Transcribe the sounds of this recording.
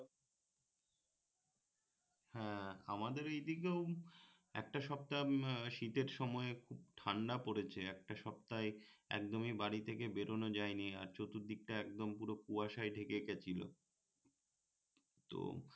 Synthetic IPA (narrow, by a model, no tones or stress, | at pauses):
hɛ̃a̰mad̪eɾejd̪ikew | ɛ̰k̚ʈaʃɔp̚t̪aʃit̪eɾʃɔmɔekʰub̚ʈʰaɳɖapoɽet͡ɕʰeɛk̚ʈaʃɔpt̪aeɛ̰k̚d̪omibaɽit̪ʰekebeɾʔonod͡ʑaenia̰ɾt͡ɕot̪uɾd̪ik̚ʈaɛk̚d̪ompuɾokuaʃajɖʱekeket͡ɕʰilo̰ | t̪o̰